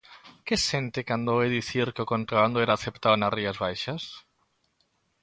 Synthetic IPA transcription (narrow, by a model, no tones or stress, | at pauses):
kesent̪ɪkand̪oeðiθiɾkeʊkont̪ɾaβand̪oeɾaːθept̪awnariazβajʃas